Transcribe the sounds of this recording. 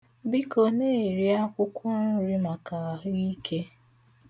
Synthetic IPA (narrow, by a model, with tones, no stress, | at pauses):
bi˦ko˨ne˦˨ɾi˦a˦kʷʊ˦kʷʊ˦nʊ˦ɾi˦ma˨ka˨a˨ɦʊ˦i˦kʰe˦